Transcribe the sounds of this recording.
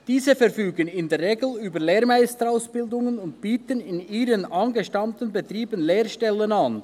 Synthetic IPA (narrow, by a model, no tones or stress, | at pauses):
d̥iːzəfɛʁfyːɡənɪndeːɐɾʁeːɡl̩yːbəleːʁmaɪstəʁaʊsb̥ɪldʊŋənʊntb̥iːtənɪniːɾənʔɑnɡəʃtɑmtənbetriːbənleːʁʃtɛlənan